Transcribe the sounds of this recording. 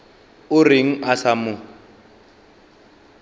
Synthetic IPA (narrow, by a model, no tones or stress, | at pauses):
ʊrɪŋ̩ʔasamʊ